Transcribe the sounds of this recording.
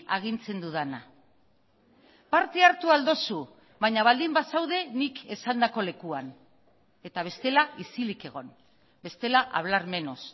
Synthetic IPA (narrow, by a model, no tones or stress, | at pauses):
aɣ̞int͡se̞nd̪uðana | paɾt̪e̞aɾt̪uald̪o̞su | βajɲaβ̞ald̪imbasawðe̞nike̞sand̪ako̞le̞kuan | e̞t̪aβ̞e̞st̪e̞laisilike̞ɣ̞o̞n | be̞st̪e̞laʔa̰β̞laɾme̞no̞s